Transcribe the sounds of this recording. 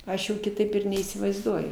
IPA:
ˈɐʃ jɛʊ kʲɪˈtɐɪp ɪr nʲɛiːsʲɪʋɐɪzˈduɔjʊ

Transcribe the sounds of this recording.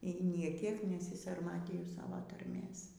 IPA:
iː ˈnʲeː ˈkʲiɛk nʲɛsʲɪsɐrˈmɑːtʲiːjʊ ˈsɑːʋoː tɐrʲˈmʲeːs

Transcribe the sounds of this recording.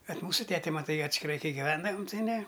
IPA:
bʲɛt ˈmuːsʊ ˈtʲæːtʲɛ mɐˈtɐɪ ɐtʲsʲkʲɪˈrɐɪ ˈkɐɪ ɡʲɪˈʋʲɛndɐʋɐm tɐɪ ˈnʲɛ

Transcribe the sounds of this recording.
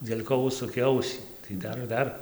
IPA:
dʲeːlʲ ˈkoː ˈʊʃsʊkʲeː ˈɐʊsʲiː tɐɪ ˈdɐr ˈdɐr

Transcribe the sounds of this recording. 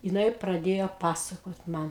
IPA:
jɪˈnɐɪ prɐˈdʲeːjoː ˈpɑːsɐkoːt ˈmɐn

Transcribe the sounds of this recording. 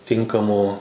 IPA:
ˈtʲɪŋkɐmuː

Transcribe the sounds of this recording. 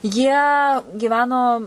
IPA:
jiɛ ɡʲiːˈʋʲæːnoː

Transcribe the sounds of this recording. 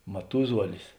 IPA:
mɐˈtʊzuɔlʲɪs

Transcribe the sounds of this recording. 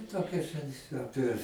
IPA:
ˈtoːkʲoːsʲɛ ˈɑːpʲiɛ

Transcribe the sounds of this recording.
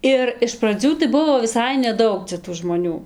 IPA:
ˈɪr ɪʃ prɐˈd͡zʲuː tɐɪ ˈbʊʋoː ʋʲɪˈsɐɪ nʲɛˈdɐʊk t͡sʲɛ tuː ʒmoːˈnʲuː

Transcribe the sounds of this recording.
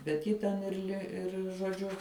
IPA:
bʲɛt ˈjɪ tʲɛn ɪr ˈlʲɪ ɪr ʒoːˈd͡ʒʲʊ

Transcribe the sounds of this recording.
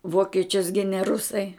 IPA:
ˈʋoːkʲɛt͡ʃʲʊs ˈɡʲɪnʲɛ ˈrʊsɐɪ

